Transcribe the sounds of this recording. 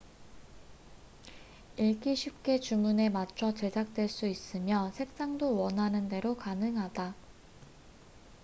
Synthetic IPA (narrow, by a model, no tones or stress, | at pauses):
iɭk͈iɕʰip̚k͈e̞t͡ɕumune̞mat͡ɕʰʌt͡ɕe̞d͡ʑak̚t͈we̞ɭs͈uis͈ɯmjʌsʰe̞k̚s͈aŋdowʌnɦanɯnde̞ɾokanɯŋɦada